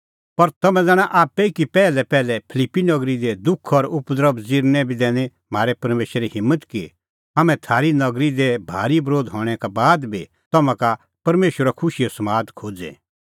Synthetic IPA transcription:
pɐɾt̪ɐmɛ̃d͡zɛːɽ̃ãʔaːpːɛikipɛːlɛpɛːlɛpʰɪlipːinɐɡɾid̪ed̪ʊkʰɔɾʊpd̪əɾəbd͡ziɾnɛbʱid̪ɛːñe | m̤aːɾɛpɐɾmeːʃiɦɪ̃mːət̪ki | amɛ̃t̪ʰaːɾinɐɡɾid̪ebʱa̰ːɾibɾoːd̪ɦɔːɽ̃ɛkabaːd̪bʱi | t̪ɐmãka | pɐɾmeːʃəɾakʰʊʃiosɐmaːd̪kʰoːd͡zɛ̰

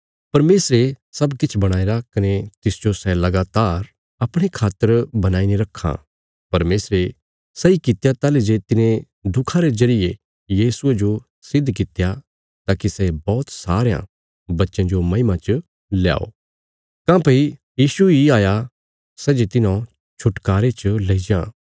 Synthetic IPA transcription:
pɐɾmeːsɾesɐbkɪt͡ʃʰbɐɽ̃aːeɾakɐnet̪ɪsd͡ʒosɛlɐɡaːt̪aːɾ | ɐpɽ̃ekʰaːt̪ːəɾbɐnaːiniɾɐkʰːa̰ | pɐɾmeːsɾe | sɛikɪt̪jat̪aːled͡ʒet̪ɪnẽ | d̪ʱʊkʰãɾed͡ʒɐɾɪje | jiːsʊed͡ʒo | sɪd̪ʱːk̬ɪt̪ja | t̪aːkisɛbɔːt̪saːɾejã̰ | bɐtːʃãd͡ʒomɐ̃ɪmãt͡ʃ | lja̰ːo̰ː | kãːpɐi | jiːsuiaːja | sɛːd͡ʒet̪ɪnã | t͡ʃʰʊʈkaːɾet͡ʃəleːid͡ʒãː

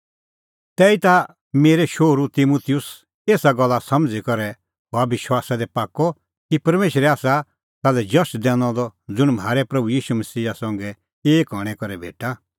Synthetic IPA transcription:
t̪ɛːit̪a | meːɾɛʃoːɾut̪imuːt̪ʰijʊs | eːsaɡɔlːasɐ̃md͡zikɔɾɛ | ɦabɪʃwaːsad̪ɛpaːkːɔ | kipɐɾmeːʃɾɛaːsa | t̪alɛd͡ʒɐsd̪ɛ̃ːnɔ̃d̪ɔd͡zʊɽ̃m̤aːɾɛpɾɐbujiːʃumɐsiːasɐ̃ŋɡɛ | eːkɦɔɽ̃ɛkɔɾɛbʱḛːʈa

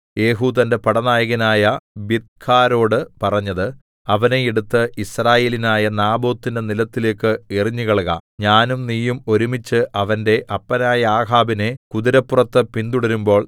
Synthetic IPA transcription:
je̞ːɦuːðɐnde̞pɐɽɐnaːjɐɣinaːjɐbit̪̚kʰaːɾo̞ːɽɨpɐrɐɲːɐðɨ | ɐʋɐne̞eɽut̪ːɨisraːje̞ːlinaːjɐnaːbo̞ːt̪ːinde̞nilɐt̪ːile̞ːkːɨiriɲːuɣɐɭɣɐ̰ɲaːnumniːjumo̞ɾumit͡ɕːɨʔɐʋɐnde̞ʔɐpːɐnaːjɐaːɦaːbine̞kuðiɾɐpːurɐt̪ːɨpind̪uɽɐɾumbo̞ːɭ

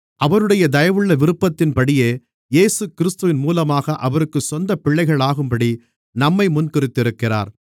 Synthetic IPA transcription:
ʔɐʋɐɾɯɽɐjɐd̪ɐjɐʋɯɭːɐʋɪɾɯpːɐt̪ːɪnpɐɽɪjeː | jeːsɯkɪɾɪst̪ɯʋɪnmuːlɐmaːɣɐʔɐʋɐɾɯkːɯsɔnd̪ɐpɪɭːɐɪɣɐɭaːɣɯmpɐɽi | nɐmːɐɪmʊnkɪɾɪt̪ːɪɾɯkːɪra̰ːɾ

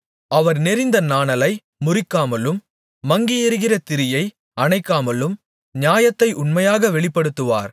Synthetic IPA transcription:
ɐʋɐɾnɛɾɪnd̪ɐnaːnɐlɐɪ | mʊrɪkːaːmɐlɯmː | ɐŋɡɪjɛɾɯɣɪrɐt̪ɪɾɪjɐɪ | ɐnɐɪkːaːmɐlɯm | ɲaːjɐt̪ːɐɪʔʊɳmɐjaːɣɐʋɛɭɪpːɐɽɯt̪ːɯʋa̰ːɾ

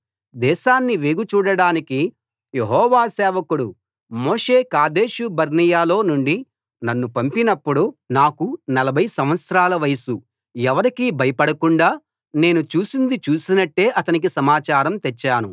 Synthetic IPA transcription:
d̪ɛːʃaːnːiʋeːɡut͡ʃuːɽɐɽaːniki | je̞ɦɔːʋaːsɛːʋɐkuɽu | moːʂe̞ːkaːd̪e̞ːʃubɐɾnijaːlo̞ːnuɳɖi | nɐnːupɐmpinɐpːuɽunaːkunɐlɐbʱɐjsɐm̃ʋɐt̪sɐɾaːlɐʋɐjsu | ɛʋɐɾikiːbʱɐjɐpɐɽɐkuɳɖaː | ne̞ːnut͡ʃuːsind̪it͡ʃuːsinɐʈːe̞ːʔɐt̪ɐnik̬isɐmaːt͡ʃaːɾɐmt̪et͡ʃːaːnu

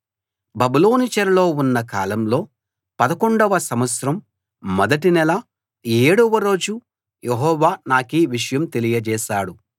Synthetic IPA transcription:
bɐbiloːnit͡ʃɐɾlo̞ːunːɐkaːlɐmlo̞ː | pɐd̪ɐko̞ɳɖɐʋɐsɐmɐt̪sɾɐmː | ɔd̪ɐʈinɛlɐ | e̞ːɽuʋɐɾo̞ːd͡ʒu | jeɦɔːʋaːnaːkiʋiʂɐjɐmt̪e̞lijɐd͡ʒɛːʃaːɽu

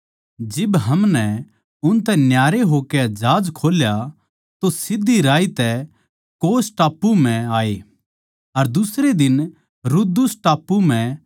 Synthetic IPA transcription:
d͡ʒɪbɦɐmnɛ | ʊnt̪̬ɛ̃njaːɾeɦoked͡ʒaːd͡ʒkʰoːlja | t̪osɪd̪ʱːiɾaːit̪ɛ | koːsʈaːpːum̤ɛ̃aːeː | ɐɾd̪ʊsɾed̪ɪn | ɾʊd̪ʊsʈaːpːumɛ̃

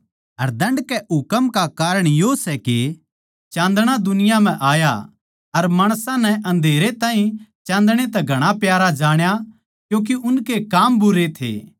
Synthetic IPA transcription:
ɐɾd̪ɐ̃ɳɖkɛʔʊkəmkakaːɾəɽ̃josɛke | t͡ʃãːnd̪ɽ̃ad̪ʊnɪjam̤ɛ̃ʔaːja | ɐɾmaːɽ̃sãnɛʔɐ̃nd̪ʱeːɾet̪ãːɦĩt͡ʃãːnd̪ɽ̃et̪ɛɡʱɐɽ̃apjaːɾad͡ʒaːɽ̃ja | kjõːk̬iʔʊnkekaːmbʊɾet̪ʰḛː

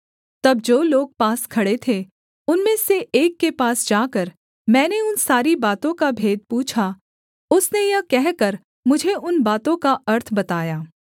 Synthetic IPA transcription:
t̪ɐb̚d͡ʒoːloːɡ̚paːskʰɐɽet̪ʰe | ʊnmẽseʔeːkːepaːsd͡ʒaːkəɾ | mɛ̃ːneʊnsaːɾibaːt̪õkabʱeːd̪̚puːt͡ʃʰa | ʊsnejɐkɛɦkəɾ | mʊd͡ʒʱeʔʊnbaːt̪õkaɐɾt̪ʰbɐt̪aːjaː

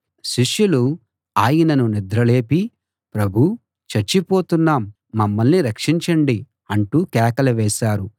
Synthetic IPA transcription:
ʃiʂjulu | aːjɐnɐnunid̪ɾɐle̞ːpi | pɾɐbʱu | t͡ʃɐɾt͡ʃipo̞ːt̪unːaːmː | ɐmːɐlniɾɐkʂiɲt͡ʃɐɳɖi | ɐɳʈuːkɛːkɐlɐʋɛːʃaːɾu

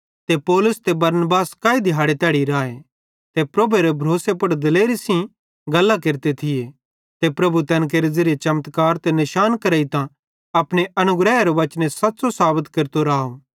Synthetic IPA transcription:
t̪epoːlʊst̪ebɐɾnbaːskaːid̪ʱɪjɦaːɽet̪ɛːɽiɾaːe | t̪epɾoːbeɾebʱɾoːsepɐɽd̪ɐleːɾisĩ | ɡɐlːak̬eɾt̪et̪ʰɪje | t̪epɾɐbut̪ɛ̃ːnk̬eɾezɪɾet͡ʃɐmt̪kaːɾt̪enɪʃaːnkɐɾəit̪ã | ɐpɽeʔɐnʊɡɾɛːeɾoʋɐt͡ʃnẽsɐt̪ːsosaːbət̪keɾt̪oɾaːo

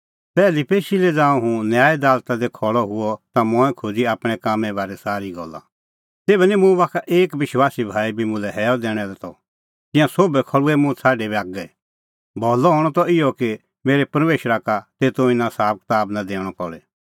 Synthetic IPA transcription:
pɛːlipeːʃilɛd͡zãːɔ̃ɦũnjaːid̪aːlt̪ãd̪ɛkʰɔɭɔɦʊɔt̪amɔ̃ːɛ̃kʰod͡ziaːpɽ̃ɛkaːmːɛ̃bʱaːɾɛsaːɾiɡɔ̰lːa̰ | t̪eːbɛnimũbaːkʰaʔeːkʋɪʃwaːsibʱaːibʱimʊ̃lɛɦɛːɔd̪ɛːɽ̃ɛlɛt̪ɔ | t̪ɪ̃jãsoːbɛkʰɔɭuɛmʊ̃sʰaːɖebiaːk̚ɡɛ | bʱɔːlɔɦɔːɽ̃ɔt̪ɔɪjɔki | meːɾepɐɾmeːʃɾakat̪eːt̪oɪnãsaːb̚kt̪aːbnad̪eːɽ̃ɔpɔɭɛ

